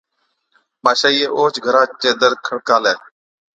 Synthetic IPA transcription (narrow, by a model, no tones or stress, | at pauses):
maːʃaːiːeːʔoːt͡ʃɡʱəɾãːt͡ʃeːd̪əɾkʰəɽkaːlɛː